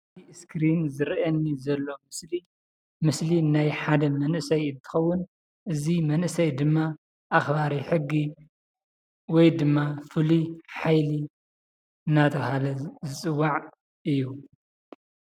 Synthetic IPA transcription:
iskɾinzɨɾʔɐnːizɐlːomɨsli | mɨslinajħad̪ɐmɐnʔɨsɐjɨnt̪ʰɨ̥xɐwːʊn | ʔɨzimɐnʔɨsɐjd̪ɨmːa | ʔaxbaɾiħɨɡːi | wɔjd̪ɨmːafɨliħajli | ɨnːat̪ʰɐβhalɐzɨt͡sʼɨwːaʕ | ɨjːu

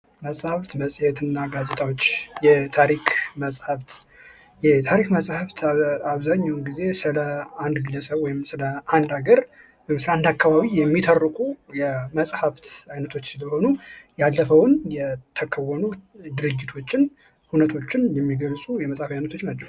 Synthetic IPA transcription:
məsʼhaft̪məsʼhet̪ʰɨnːaɡazet̪ʼawo̞t͡ʃːjɛt̪ʰaɾikʰməsʼhaft̪ | jɛt̪ʰaɾikməsʼhaft̪ʰaβzaɲːawnɡize̞sɨləand̪ɡɨləsəβwɔjɪmsɨləʔand̪aɡəɾ | wɔjmsɨləand̪akːaβaβijɛmːit̪ʰərːɨkʼujɛməsʼhaft̪ajnət̪ʰo̞t͡ʃːsɨləho̞nujalːəfəwnjɛt̪ʰːəkʰəwːɔnud̪ɨɾɨd͡ʒːit̪ʰo̞t͡ʃːɪn | hunət̪ʰo̞t͡ʃːɪnjɛmːiɡəlsʼujɛməsʼhafajnət̪ʰo̞t͡ʃːnat͡ʃːɛw

